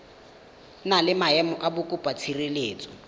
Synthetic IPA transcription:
nalɪmaɛmɔʔabʊkʼʊpʼat͡sʰireleːt͡sʼɔ̥

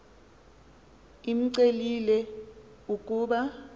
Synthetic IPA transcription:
im̩ǀelilɛ | uk̬ʼuːɓa

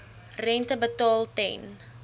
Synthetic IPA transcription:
rɛntəbətɑːlˠtɛ̰n

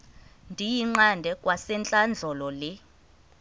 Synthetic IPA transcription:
ndʱijiŋ͡ǃandʱɛkʼwasɛnt͡ɬʼand͡ɮʱɔlɔlɛ

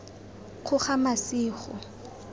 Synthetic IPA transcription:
χʊχamasiːχɔ̰

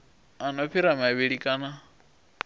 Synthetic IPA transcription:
anɔpʰiɾamaβiɺikʼana

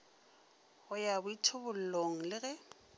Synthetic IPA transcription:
ʊjabʊitʰʊbʊl̩loŋ̩lɪɣɛ

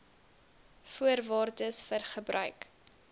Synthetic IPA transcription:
fuərvɑːrdəsfərχəbɾœ̰ɥk

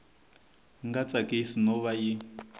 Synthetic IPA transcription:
ŋɡat͡sʼakʼesinɔβaji

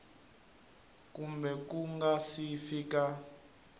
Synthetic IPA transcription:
kumbɛkuŋɡasifiːka

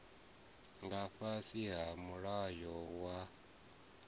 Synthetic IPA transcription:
ŋɡaɸasiɦamuɺajɔwa

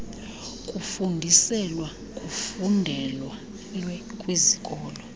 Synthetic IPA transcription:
kʼufundʱisɛlwa | kʼufundʱɛlwa | lwɛkʼwizikʼɔːlɔ

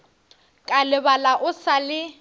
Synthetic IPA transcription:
kʼalɪbalaʔʊsalɪ

